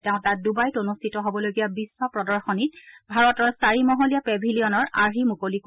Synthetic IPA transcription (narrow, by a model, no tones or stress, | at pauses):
tɛʊ̃tat̚dubajtonustʰitɔɦobɔlojɡijabisːɔpɹɔdɔɹxɔnitbʱaɹɔtɔɹsaɹimɔɦolijapɛbʱilijɔnɔɹaɦimukolik